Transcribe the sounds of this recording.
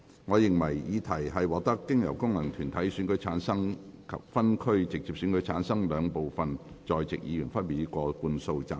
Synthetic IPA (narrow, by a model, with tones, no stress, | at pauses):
ŋɔː˨˧jɪ˨˩ŋmɐ˨˩jjiː˨˧t̪ʰɐ˨˩jɦɐ˨jwɔː˨˩k̚t̪ɐ˥kːɪ˥ŋjɐ˨˩wkʊ˥ŋlɐ˨˩ŋt̪ʰyː˨˩nt̪ʰɐ˨˥jsyː˨˥nkɵ˨˥ɥt͡sʰaː˨˥nsɐ˥ŋkʰɐ̰˨p̚fɐ˥nkʰɵ˥ɥt͡sɪ˨k̚t͡siː˧p̚sy˨˥nkɵ˨˧˥ɥt͡sʰaː˨˥nsɐ˥ŋlœː˨˧ŋpo˨wfɐ˨n | t͡ʃɔː˨jt͡sɪ˨k̚jiː˨˧jyː˨˩nfɐ˥npi˨i˥kʷɔː˧kuː˧nso˧wt͡sa̰ː˨˩